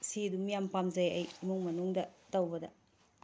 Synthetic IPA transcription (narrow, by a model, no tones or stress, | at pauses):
sidumijampamzɐjɐjmuŋmɐnuŋdɐtɐwbɐdɐ̰